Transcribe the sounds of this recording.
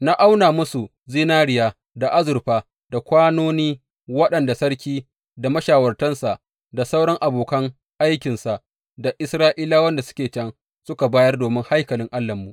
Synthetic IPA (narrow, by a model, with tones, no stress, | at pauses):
na˦ʔa˦wnaː˨mʊ˦su˨ | ziː˦naː˦ɽɪ˦˨jaː˦˨ | da˨ʔa˦zʊ˨rɸaː˨ | d̥a˨kʷaː˦noː˦niː˦ | wɐ˦ɗɐ˨nda˨sɐ˦ɽkʲiː˦ | da˨mɐ˦ʃaː˨wɐ˨rtɐ˦nsa˨ʔ | da˨sa˦wɽɐ˦ŋʔa˨boː˨kɐ˦ŋ | ʔa˦jkʲɪ˨nsa˨ʔ | da˨ʔɪ˦sɾaː˦ʔiː˦laː˦wɐ˦nda˨sʊ̥˦kʲeː˨t͡ʃɐ˦ŋ | sʊ˦ka˨baː˦jɐ˦rdoː˨mɪ˦ŋha˦jkɐ˨lɪ˦ŋʔa˦lːɐ˨mːu˨ʔ